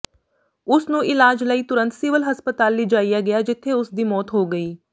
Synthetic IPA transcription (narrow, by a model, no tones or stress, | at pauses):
ʊsnũːʔɪlaːd͡ʒləiːt̪ʊɾə̃nt̪sɪːʋəlɦəspət̪aːlːiːd͡ʒaːijaːɡɪjaːd͡ʒɪt̪ʰːeːʊsd̪iːmɔːt̪ɦoːɡəiː